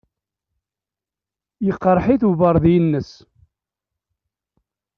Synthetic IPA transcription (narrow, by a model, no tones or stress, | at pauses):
jəqːɾˤħiθuvəɾˤðjənːəs